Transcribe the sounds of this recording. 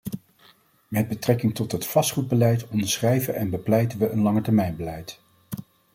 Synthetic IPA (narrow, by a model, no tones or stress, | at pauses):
mɛd̚bətrɛkɪŋtɔtɦətfɑstχud̚bəlɛjtɔndəɹsχrɛjvəʔɛnbəplɛjtənʋəʔənlɑŋətɛɹmɛjnbəlɛjt